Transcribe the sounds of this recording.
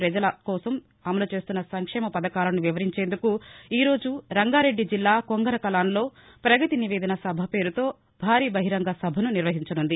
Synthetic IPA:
pɾɐd͡ʒɐlɐkɔːsɐm | ɐmɐlut͡ʃe̞ːst̪unːɐsɐŋkʂɛːmɐpɐd̪ɐkaːlɐnuʋiʋɐɾiɲt͡ʃe̞ːnd̪ukuiːɾo̞ːd͡ʒuɾɐŋɡaːɾe̞ɖːid͡ʒilːaːkoŋɡɐɾɐkɐlaːnlo̞ː | pɾɐɡɐt̪iniʋe̞ːd̪ɐnɐsɐbʱɐpe̞ːɾut̪oː | bʱaːɾiːbɐɦiɾɐŋɡɐsɐbʱɐnuniɾʋɐɦiɲt͡ʃɐnund̪i

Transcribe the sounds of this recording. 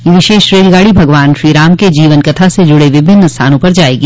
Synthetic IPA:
iʋɪʃeːʃɾeːd͡ʒɡaːɽibʱɐɡʋaːnʃɾiːɾaːmked͡ʒiːʋənkɐt̪ʰased͡ʒʊɽeʋɪbʱɪnːəst̪ʰa̰ːnõpɐɾd͡ʒaːeːɡiː

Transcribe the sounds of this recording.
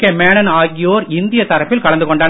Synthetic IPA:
kːeːmeːɳɐnaːɣɪjoːɾɪnd̪ɪjɐt̪ɐɾɐpːɪlkɐɭɐnd̪ɯkɔɳɖɐːn

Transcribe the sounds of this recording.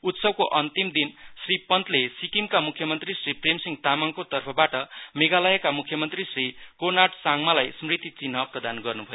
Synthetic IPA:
ut̪sʌb̚koʔʌnt̪imd̪insripʌnt̪lesikimkamukʰjʌmʌnt̪risripremsiŋt̪amaŋkot̪ʌrpʰʌbaʈʌmeɡalʌjekamukʰːjʌmʌnt̪risrikornaʈsaŋmalajsmrit̪it͡sinʌprʌd̪anɡʌrnubʱʌjo

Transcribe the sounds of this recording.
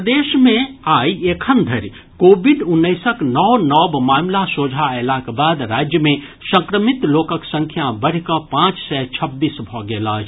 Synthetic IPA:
d̪eʃmẽaːiekʰənd̪ʱəɾ | koːbiɖunːəɪsəknɔwnɔbmaːmlasod͡ʒʱaelakbaːd̪ɾaːd͡ʒjəmẽ | sə̃ŋkɾəmit̪loːkəksə̃ŋkʰjabəɽ̤ikəpãːt͡ʃsɛt͡ʃʰəbːiːsbʱɔɡeːlaːd͡ʒʰ

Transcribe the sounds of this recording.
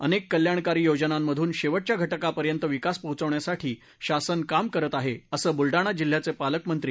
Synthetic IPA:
ənekːəljaɳkaɾiːjod͡ʑənamːəd̪ʱuːnɕeʋəʈ̚t͡ɕjaɡʱəʈəkapəɾjənt̪əʋikaspəɦut͡səʋɳjasaʈʰiː | ɕasənkamkəɾət̪aɦeəsəːbulɖaɽ̃ad͡ʑil̤ːjat͡sepaləkmənt̪ɾi

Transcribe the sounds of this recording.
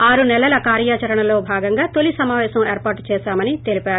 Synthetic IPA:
aːɾunɛlːɐlɐkaːɾjaːt͡ʃɐɾɐɳɐlo̞ːbʱaːɡɐŋɡaːt̪olisɐmaːʋɛːsɐmeːɾpaːɾʈt͡ʃɛːʃaːmɐnit̪e̞lipaːɾu

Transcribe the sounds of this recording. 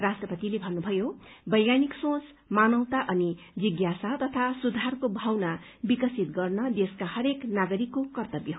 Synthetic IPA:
rasʈrʌpʌt̪ilebʱʌnːubʱʌjobʌjjaniksõt͡s | manʌwt̪aʔʌni | d͡ziɡjasat̪ʌt̪ʰasud̪ʱarkobʱawna | bikʌsit̪̚ɡʌrnʌd̪eskahʌɾeknaɡʌɾikːokʌrt̪ʌbjʌ

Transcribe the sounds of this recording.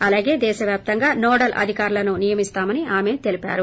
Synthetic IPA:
ɐlaːɡe̞ːd̪ɛːʃɐʋjaːp̚t̪ɐŋɡaːnɔːɽɐlʔɐ̰d̪ʱikaːɾulɐnunijɐmist̪aːmɐniaːme̞t̪e̞lipa̰ːɾu

